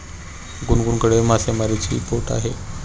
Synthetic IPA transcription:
ɡunɡuɳkəɽemasemaɾit͡ɕḭpoɾʈa̰ɦe

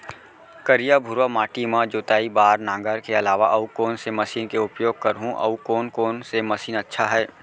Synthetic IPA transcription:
kəɾijabʱʊɾamaːʈimãd͡ʒoːt̪aːibaːɾnãːŋɡəɾkeɐlaːʋaʔɐukoːnsemɐsiːnkeʊpjoːɡ̚kəɾɦũʔɐ̰ukoːnkoːnsemɐsiːnətːʃʰaɦɛː

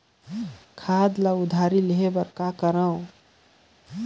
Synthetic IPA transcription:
kʰad̪laud̪ʱaɾileɦebəɾkakəɾəw̃

